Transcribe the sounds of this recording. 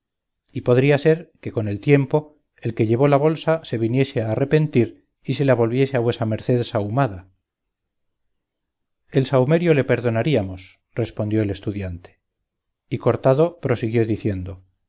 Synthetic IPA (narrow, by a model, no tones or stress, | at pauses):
ipoðɾiase̞ɾke̞ko̞ne̞lt̪je̞mpo̞ | elke̞ʎe̞β̞o̞laβo̞lsase̞βinje̞seaːre̞pe̞nt̪iɾ | ise̞laβ̞o̞lβje̞seaβwe̞same̞ɾθe̞ðsawmaða | e̞lsawme̞ɾjo̞le̞pe̞ɾðo̞naɾiamo̞s | re̞spond̪jo̞e̞le̞st̪uðjant̪e̥ | ikoɾt̪aðo̞pɾo̞siɣjo̞ðiθje̞nd̪o̞